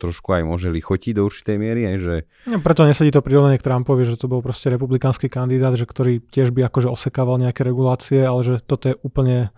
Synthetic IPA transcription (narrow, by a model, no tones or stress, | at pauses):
t̪ɾɔʃkuajmʊɔʒɛlixɔciɟd̪ɔuɾt͡ʃi̥t̪ɛjmɪɛɾiɦɛjʒɛ | apɾɛt̪ɔɲɛsaɟiːt̪ɔpɾiɾɔʋnaɲɪɛkt̪ɾampɔʋiʒɛt̪ɔbɔlpɾɔscɛɾɛpublikaːnskiːkand̪id̪aːd̪ʒɛkt̪ɔɾiːcɪɛʒbiakɔʒɛɔsɛkaːʋalɲɛakɛɾɛɡulaːt͡siɛalɛʒɛt̪ɔt̪ɔjɛʔuːpl̩ɲɛ